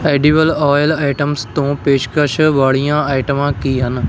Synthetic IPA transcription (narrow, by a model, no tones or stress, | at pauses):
eːɖiːʋəlɔːjlaːɪʈəmst̪õːpeːʃkəʃʋaːɭijãːaːɪʈəmãːkiːɦən